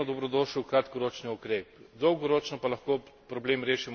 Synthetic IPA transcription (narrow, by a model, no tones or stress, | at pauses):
ɔd̪ɔbɾɔd̪oːʃiwkɾat̪kɔɾoːt͡ʃniukɾeːpd̪ɔwɡɔɾoːt͡ʃnɔpalɐxkoːpɾɔbleːmɾeːʃim